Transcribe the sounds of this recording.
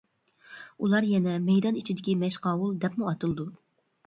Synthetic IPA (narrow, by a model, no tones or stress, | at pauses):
ulˠɑɾjɛnɛmɛjd̪ɑnit͡ʃʰid̪ɪkʲimɛʃqɑːwulˠd̪ɛpmuɑt̪ɨlˠɨd̪u